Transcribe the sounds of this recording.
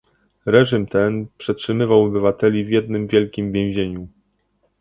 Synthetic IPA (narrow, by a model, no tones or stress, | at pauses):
ɾɛʐimt̪ɛnpʂɛtʂɘmɘvawɔbɘvat̪ɛlʲivʲjɛd̪̚nɘmvʲjɛlkʲimvʲjɛ̃w̃ʑeɲu